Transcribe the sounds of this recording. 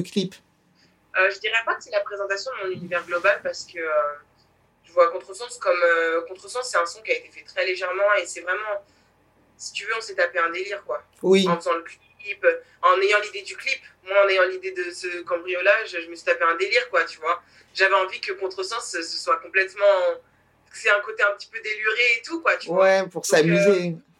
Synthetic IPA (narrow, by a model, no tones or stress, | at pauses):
əklip | øʒəd̪iʁɛpakə̥sɛlapχezɑ̃t̪asjɔ̃d̪əmɔ̃nynivɛʁɡlɔbalpaʁsə̥kəø | t̪yvwakɔ̃t̪χəsɑ̃skɔmøkɔ̃t̪χəsɑ̃sːɛt̪ɛ̃sɔ̃kʲiaet̪efɛt̪χɛleʒɛʁmɑ̃esɛvʁɛmɑ̃ | si̥t̪yvøɔ̃sɛt̪apeɛ̃d̪eliʁkwa | wiɑ̃fəzɑ̃ləklip | ɑ̃nejɑ̃lid̪ed̪yklipmwaɑ̃nejɑ̃lid̪ed̪əsəkɑ̃bʁijolaʒəʒəməsɥi̥t̪apeɛ̃d̪eliʁkwat̪yvwa | ʒavɛɑ̃vikəkɔ̃t̪χəsɑ̃ssəswakɔ̃plɛt̪mɑ̃ | kə̥sɛɛ̃kot̪eɛ̃pət̪i̥pød̪elyʁeːt̪ukwat̪yvwwɛpuʁsamyze